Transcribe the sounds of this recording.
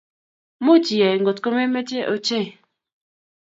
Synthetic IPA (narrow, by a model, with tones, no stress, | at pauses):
mo˦t͡ʃi˨ɛ˨ŋ˨ɡo˨tko˦me˦me˦t͡ʃe˦ʔo̰˨t͡ʃe˦˨